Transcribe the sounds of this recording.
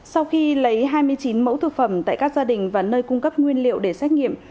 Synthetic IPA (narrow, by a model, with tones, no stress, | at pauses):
sa˧wxi˧lə˨˦jɦaː˧jmɨ˧əjt͡ɕi˨˦nmə̰˧˥wt̪ʰɨ˨˩k̚fə˧˩mt̪a̰ː˧˨jkaː˦˥k̚zaː˧ɗï˨˩ŋ̟vaː˨˩nəː˧jkʊ˧ŋ͡mkə˦˥p̚ŋwi˧ənlḭ˧˨əwɗe˧˩sɛː˦˥t̚ŋḭ˧˨əm